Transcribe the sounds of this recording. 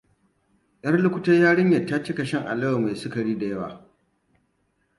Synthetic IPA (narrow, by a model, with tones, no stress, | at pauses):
j̰ɐ˦rlʊ˦kʷʊ˦tɐ˦jaː˦ɽɪ˦ɲjɐ˨tːaː˦t͡ʃɪ˦kɐ˨ʃɪ˦ŋʔa̰˨lɐ˦wa˨ma˨jsʊ˦kɐ˨ɽiː˦da˨jɐ˦wa̰ː˨